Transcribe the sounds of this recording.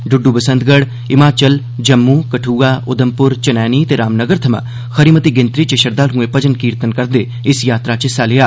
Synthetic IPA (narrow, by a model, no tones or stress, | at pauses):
ɖʊɖːubəsə̃nd̪ɡəɽ | ɪmaːt͡ʃəl | d͡ʒəmːũːkəʈʰuːɡaːʔʊd̪əmpʊɾt͡ʃɐnɛːniːt̪eːɾaːmnəɡəɾt̪ʰɐmã̰ː | xəɾiːmət̪iːɡɪnt̪ɾit͡ʃəʃəɾd̪aːlɦũːepəd͡ʒənkiːɾt̪ənkəɾd̪eː | ɪsjaːt̪ɾaːt͡ʃɪsaːlɪjaː